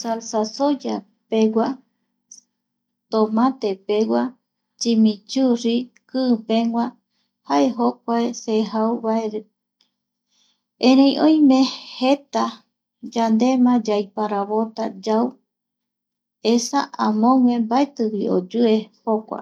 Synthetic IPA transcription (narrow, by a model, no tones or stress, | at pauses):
salsasod͡ʒa | pewa | t̪omãt̪e̞pewʷa | t͡ʃimĩt͡ʃuɾi | kɨːpẽŋwʷã | haʔe̞ɦok̚ʷaeseɦauβaeɾe | ẽɾẽj̃ʔõj̃mẽhet̪a | d͡ʒand̪e̞mãd͡ʒajpaɾaβot̪ad͡ʒaw | esa̰ʔãmõŋʷẽmbaet̪ɨwio̰d͡ʒue̞hokʷa̰